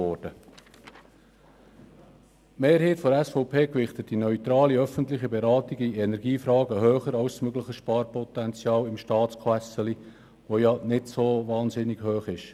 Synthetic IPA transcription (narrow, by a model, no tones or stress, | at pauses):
ɔːɾd̥ə | meːɾheɪtfɔɾæsfɔʊpʰeːkʋɪχt̪ət̚d̥inœʏt̪ɾɑːliœfəntlɪχibɛɾɑːtiɡiɛnɛɾɡiːfɾɑːɡəɦøːχəɾɑʊssmøɡləχəʃpɑːɾpɔt̪ɛnt͡sjɑːlɪmʃtɑːtskʰæsəli | ʋojɑnɪtsovɑːnsɪnɪɡ̥høːχɪʃ